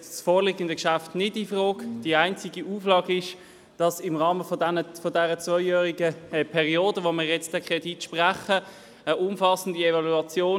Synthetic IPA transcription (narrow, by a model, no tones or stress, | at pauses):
sfoːlɪɡən̩dəkʃaftnɪdifʁoːɡd̥iaɪnt͡siɡiʔuːflɑːɡɪʃ | d̥ɑsɪmʁɑːməfəfɔdɛʁət͡svɔɪjœːʁiɡəɛpʰɛʁioːdəvomɪːʁjɛt͡sd̥ɛkχʁɛditʃpʁaχə | əʔʊmfɑsən̩diɛvɑluɑt͡sjoː